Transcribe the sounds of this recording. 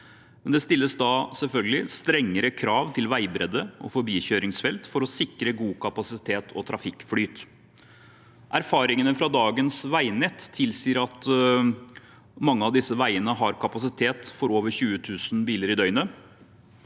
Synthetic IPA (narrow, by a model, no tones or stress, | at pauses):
mɛnd̪ɛst̪ɪlːəsd̪ɑsɛlfœlɡəlɪst̪ɾɛŋːəɾəkʰɾɑːʋt̪ʰɪlʋæɪbɾɛd̪əʔɔ̰fɔɾbiːɕøːɾɪŋsfɛlt̪fɔɾɔsɪkɾəɡuːkʰɑpɑsɪt̪ʰeːt̪ʰɔt̪ʰɾɑfɪkːflyːt̪ | ʔæɾfɑːɾɪŋənəfɾɑd̪ɑːɡənsʋæɪnɛt̪ʰːɪlsiːɾɑt̪ | mɑŋːəɑʋd̪ɪsːəʋæɪənəɦɑɾkʰɑpɑsɪt̪ʰeːt̪fɔɾoːʋəɾçʉːət̪ʰʉːsn̩biːləɾɪd̪œʏnə